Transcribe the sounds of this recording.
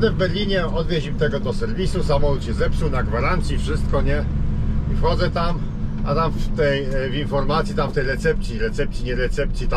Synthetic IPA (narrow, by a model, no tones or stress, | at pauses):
d̪ɛvbɛɾlʲiɲɛɔd̪vʲjed͡ʑimt̪ɛɡɔd̪ɔsɛɾvʲisusamɔlut̪ɕɛzɛpsuwnaɡvaɾant̪sʲjifʂɘst̪̚kɔɲɛifxɔd̪zɛt̪am | at̪amft̪ɛjvinfɔɾmat̪sʲjit̪amft̪ɛjɾɛt̪sɛpt̪sʲjiɾɛt̪sɛp̚t̪sʲiɲɛɾɛt̪sɛp̚t̪sʲjit̪a